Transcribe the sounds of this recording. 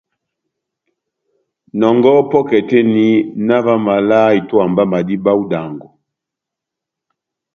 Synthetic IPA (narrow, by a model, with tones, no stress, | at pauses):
nɔ˨ŋɡɔ˦pɔ˦kɛ˨te˦ni˦na˦va˦ma˨la˦i˨tɔ˦a˨mba˦ma˨di˦ba˦u˦da˨ŋɡɔ˨